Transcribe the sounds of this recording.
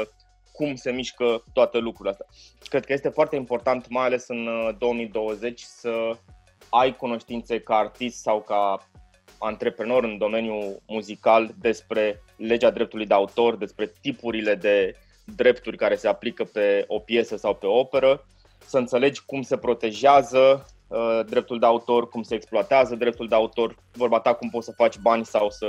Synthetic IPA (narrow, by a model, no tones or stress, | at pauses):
ə | kumse̞miʃkət̪oat̪elukɾuileast̪ʲakɾed̪kəjest̪e̞foart̪e̞impo̞rt̪ant̪majale̞sɨnd̪o̞wəmid̪o̞wəze̞t͡ʃʲsə | ajkuno̞ʃt̪int̪se̞kaːrt̪ist̪sawka | ant̪ɾe̞pɾeno̞ɾɨnd̪o̞me̞njumuzikald̪e̞spɾe̞ | le̞d͡ʒad̪ɾe̞p̚t̪ulujd̪e̞aut̪o̞rd̪e̞spɾe̞t̪ipuɾile̞d̪e̞ | d̪ɾe̞pt̪urʲkaɾe̞se̞aplikəpe̞o̞pje̞səsawpe̞o̞pe̞ɾə | səɨnt̪se̞le̞d͡ʒʲkumse̞pɾo̞t̪e̞ʒeazə | d̪ɾe̞p̚t̪uld̪e̞aut̪o̞rkumseːksploat̪eazəd̪ɾe̞p̚t̪uld̪eaut̪o̞r | vorbat̪akumpot̪səfat͡ʃʲbanʲsawsə